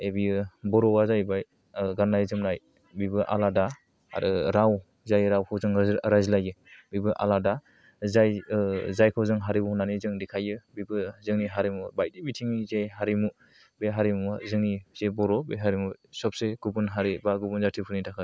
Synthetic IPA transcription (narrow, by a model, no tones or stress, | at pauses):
ebiɯbɔɾɔwazajbaj | ɡanːajzɯmnaj | bibɯʔa̰lada | ɾaw | zajɾawkʰawzɯŋɾajzlajɯbibɯʔa̰lada | zajzajkʰawzɯŋɦaɾibuhunanizɯŋdikʰajɯbibɯzɯŋniɦaɾimubajdibitʰiŋnizejɦaɾimu | beɦaɾimuzɯŋniz̥ebɔɾɔbeɦaɾimusɔp̚seɡ̥ubunɦaɾibaɡubunzatʰipʰɯnitʰakʰɯ